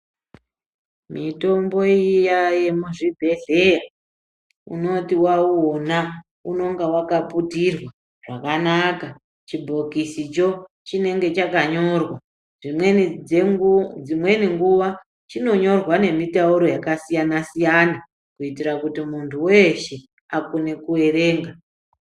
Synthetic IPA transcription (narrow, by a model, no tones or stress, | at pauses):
mito̞mbo̞ijaje̞muʐibʱe̞ɮe̞ja | ṵno̞tiwauona | uno̞ŋɡawakaputirwa | ʐ̥akanaka | t͡ʃibʱo̞kisit͡ʃo̞ | t͡ʃine̞ŋɡe̞t͡ʃakaɲo̞rwa | ʐime | d͡zimwe̞niŋɡuʋa | t͡ʃino̞ɲo̞rwane̞mitauɾo̞jakasijanasijana | kuitirakutimuntʰuwe̞ʃe̞ | akune̞kue̞ɾe̞ːŋɡa